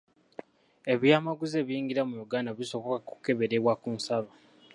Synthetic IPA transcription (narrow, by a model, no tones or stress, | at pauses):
e̞βjaːmaɡuzeːβjiːŋɡiɾamujuɡaːndaβiso̞βokakuke̞βe̞ɾeβwakuːnsaβo